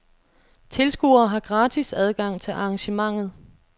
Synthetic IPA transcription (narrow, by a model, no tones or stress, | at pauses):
t͡sʰe̝lsɡ̥ṵːɐːɦɑ̈ɡ̥ʁɑ̈ːt͡sʰisæð̞ˠɡ̥ɑ̈ŋ̰t͡sʰe̝lʔɑ̈ːŋɕəmɑ̈ŋ̰ð̞̩ˠ